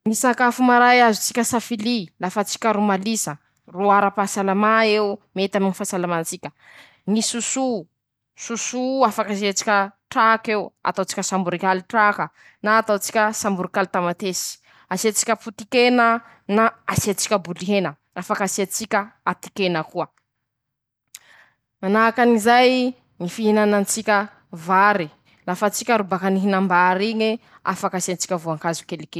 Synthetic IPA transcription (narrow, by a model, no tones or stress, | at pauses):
misakafumaɾajazut͡si̥kʲəsafililafat͡si̥kʲəɾumalisə | ruaɾapasalamaewmet̪aminifasalamat͡sikʲə | nisusu | susuafakasiat͡si̥kʲəʈ͡ʂakewa̰t̪awt͡si̥kʲəsambuɾikaliʈ͡ʂakə | naːt̪awt͡si̥kʲəsambuɾikalit̪amat̪esi̥ | aset͡si̥kʲəput̪ikenə | naasiat͡si̥kʲəbuliɦenə | afakasiat͡sikʲəat̪i̥kenəkuə | manaːkanizaj | ŋifiɦinanant͡sikʲə | vaɾi | lafat͡sikʲaɾubakaniɦinambaɾiɲe | a̰fakaseant͡si̥kʲəvuaŋkazu̥kelike